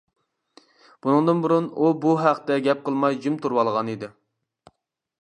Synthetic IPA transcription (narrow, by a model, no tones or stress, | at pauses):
b̥unɨŋd̪ɨnbuɾunubuɦæqt̪ɛɡʲɛp̚qʰəlˠmɑjd͡ʒymt̪ʰuɾwɑlˠʁɑnid̪ɪ